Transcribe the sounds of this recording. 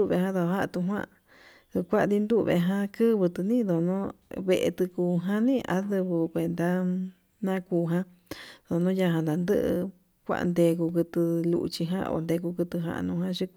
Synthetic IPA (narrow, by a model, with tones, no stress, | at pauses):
u˦˧βe˧˨ɦã˦ðo˧ɦa˦˧t̪u˧ɦʷwã̰˦˧ | ɨ˧kʷa˦ʔd̪i˧nd̪u˦βḛ˧ɦã˧kɨ˦βɨ˧t̪ɨ˧nĩ˦ðo˨nõ˦βe˧˨ʔḛ˧t̪ɨ˧kuː˧ɦã˦nĩ˦a̰˧˦ðɨ˧βɨ˧kʷe˧nd̪a˧ | nã˦kuː˧ɦã˦ | ðo˨nõ˦ja˧ɦã˧nd̪a˨nd̪ɨ˦ʔɨ̰˧ | kʷa̰˧ʔnd̪e˧ku˧kɨ˧t̪ɨ˧lṵ˧ʔt͡ʃi˧ɦã̰˦ʔo̰˧nd̪e˧ku˧kɨ˧t̪ɨ˧ɦã̰˧ʔnũ˧hã˦ʃi˧